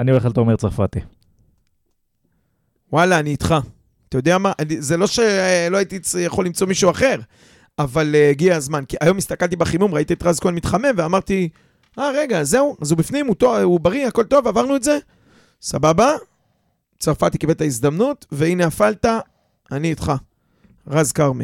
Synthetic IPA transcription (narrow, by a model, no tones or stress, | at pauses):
anioe̞χalt̪omeʁt͡saʁfa̰t̪i | walaːniːt̪χa | at̪ajod̪eamaʔanizelo̞ʃe̞loait̪ijaχo̞limt͡so̞miʃuaχe̞ʁ | avaleːɡiaazmankiajo̞mist̪akalt̪ibaχimumʁait̪iet̪ʁazkoalmit̪χame̞mveamaʁt̪i | aʁe̞ɡaze̞uazubifnimut̪oubaʁiako̞lt̪o̞vavaʁnuetze̞ | sababa | t͡saʁfat̪ikibet̪aizd̪amnut̪ve̞ineafalt̪a | aniːt̪χa | ʁazkaʁme